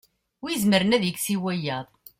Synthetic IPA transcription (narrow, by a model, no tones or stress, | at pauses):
wizməɾənæðjəɡsiwæjæðˤ